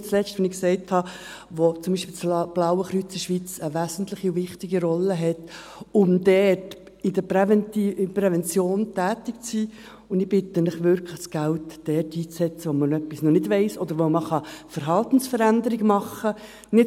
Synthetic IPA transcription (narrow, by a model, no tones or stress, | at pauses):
t͡slɛt͡ʃtʋɛnɪksɛɪthɑ | ʋot͡sʊmbiːʃpilt͡sb̥lɑʊwəχɾyt͡səʃʋit͡səʋæːsn̩tlɪχiʊvɪχtɪɡiɾɔlːəɦɛt̪ | ʊmd̥̪ɛːt | ɪdəpɛvɛnipɾɛvɛnt͡sjoːntæːtɪk̚t͡siː | ʊndɪb̥ɪt̪ənɪχʋʏɾkʰləχsɡ̥æltd̥ɛːtiːt͡ssɛt͡səʋomənœpːisnɔnɪdvɛɪsɔd̪əɾʋoməχɑfəɾɦɑlt̪n̩sfəɾænd̪əɾɪɡəmɑχːə | nɪ